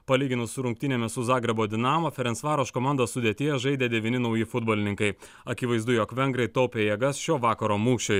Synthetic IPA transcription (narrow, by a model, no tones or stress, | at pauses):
pɐlʲiːɡʲɪnʊssʊɾʊŋkt̪ʲɪnʲɛːmʲɛsʊzɑːɡɾɐboːd̪ʲɪnɑːmoːfʲɛɾʲɛnsʋɑːɾoːʃkoːmɑˑnd̪oːssʊd̪ʲeːt̪ʲɪɛjɛʒɐɪd̪ʲeːd̪ʲɛʋʲinʲɪnɐʊjɪfʊd̪boːlʲɪnʲɪŋkɐɪ | ɐkʲɪʋɐɪzd̪ʊjoːkʋʲɛŋɡɾɐɪt̪oʊpʲeːjɛɡɐsʃʲoːʋɑːkɐɾoːmuːʃʲoj